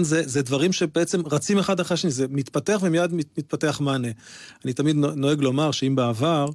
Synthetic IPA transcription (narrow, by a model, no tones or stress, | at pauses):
nzezed̪vaʁimʃe̞beet͡semʁat͡simeχadaχʁeʃenizemit̪pateaχvemijad̪mimit̪̚pateaχmaneanit̪amid̪nno̞eɡlo̞maʁʃeimbeavaʁ